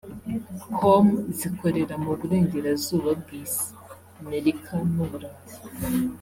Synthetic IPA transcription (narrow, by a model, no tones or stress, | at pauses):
kʰomziko̞ɾe̞ɾamuβuɾe̞ːɲɟe̞ɾazuːβab̚ɡiːz | ame̞ɾikʰanuβuɾaːni